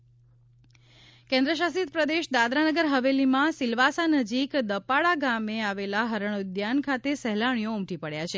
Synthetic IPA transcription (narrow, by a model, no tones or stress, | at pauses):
kɛ̃nd̪ɾəʃ̬asit̪pɾəd̪eʃd̪ad̪ɾanəɡəɾɦəʋelimãsilʋasanəd͡ʒikd̪əpaɭaɡameaʋelaɦəɾəɳ̃d̪jankʰat̪esɛɦlaɳ̃ijoumʈ̪ipəɽjat͡ʃʰe